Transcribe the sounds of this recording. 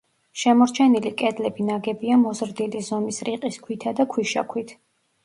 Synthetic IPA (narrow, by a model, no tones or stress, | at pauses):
ʃɛmɔɾt͡ʃʰɛnilikʼɛd̪lɛbinaɡɛbiamɔzɾd̪ilizɔmisɾiqʼiskʰwit̪ʰad̪akʰwiʃa̰kʰwit̪ʰ